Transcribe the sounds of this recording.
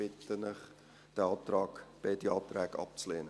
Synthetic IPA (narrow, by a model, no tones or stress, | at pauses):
ɪtənɪχ | d̥əɑːt̪rɑːkb̥ɛdiɑːtræːkɑ̰p̚t͡sleːnə